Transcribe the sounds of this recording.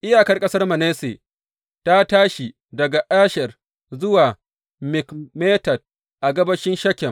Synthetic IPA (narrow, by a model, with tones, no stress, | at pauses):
ʔɪ˦jaː˨kɐ˦rkʼɐ˦sɐ˦rmɐ˨neː˦sḛː˨ | ta˦taː˦ʃi˨ | dɐ˨ɡa˨ʔaː˦ʃɐ˨r | zʊ˦waː˨ | mɪ˨kmeː˦tɐ˨d̚ | ʔa˨ɡɐ˦bɐ˦ʃɪ˦nʃɐ˦kʲːɛ˨